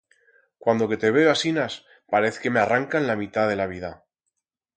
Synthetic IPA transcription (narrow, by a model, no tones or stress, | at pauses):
kwand̪o̞ke̞t̪e̞βe̞oasinas | paɾe̞θe̥ke̞mearaŋkanlamit̪að̞e̞laβiða